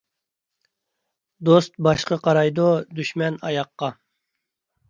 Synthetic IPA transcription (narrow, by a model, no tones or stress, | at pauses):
d̪ost̪bɑʃqəqʰɑɾɑjd̪od̪yʃmɛnɑ̰jɑqːɑ